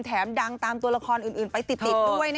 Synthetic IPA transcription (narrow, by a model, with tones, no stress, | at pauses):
nt̪ʰɛː˩˦mda˧ŋt̪aː˧mt̪u˧əla˧kʰɔː˧nʔɯː˨˩nʔɯː˨˩npa˧jt̪i˨˩t̪ʰi˨˧du˥˩əj